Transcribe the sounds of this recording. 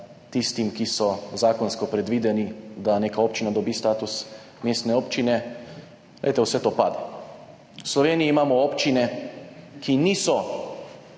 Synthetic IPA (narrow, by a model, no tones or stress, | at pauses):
t̪ist̪imkisɔzaːkɔnskɔpɾɛd̪ʋiːd̪ɛnid̪aneːkaoːpt͡ʃinad̪ɔbiːst̪aːt̪us | meːst̪nɛoːpt͡ʃinɛ | ɡlɛ̰djt̪ɛwsɛt̪oːpaːd̪ɛ | slɔʋeːniiːmaːmɔoːpt͡ʃinɛ | kʰiniːsɔ